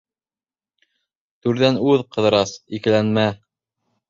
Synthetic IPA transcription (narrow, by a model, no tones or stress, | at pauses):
t̪ʉɾðænʉðqɤ̆ðɤ̆ɾɑsikɘ̆lænmæ